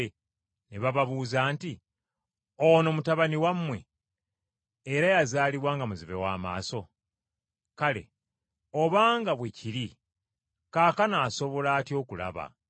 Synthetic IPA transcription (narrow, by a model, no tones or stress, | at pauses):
neβaβaβuːzaːnti | o̞no̞mutaβaniwamːwe̞̰ | ɾajazaːliβwaːŋɡamuziβe̞̰wa̰ːma̰ːso̞ | kale̞̰ | oβaːŋɡaβweciɾi | kaːkanaːso̞βo̞laːtjo̞ːkula̰βa̰